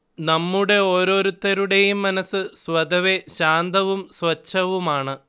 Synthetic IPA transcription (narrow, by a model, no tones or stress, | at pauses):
nɐmːuɽe̞o̞ːɾo̞ːɾut̪ːɐɾuɽe̞jumːɐnɐsɨsʋɐd̪ɐʋe̞ɕaːnd̪ɐʋumsʋɐt͡ɕːɐʋumaːɳɨ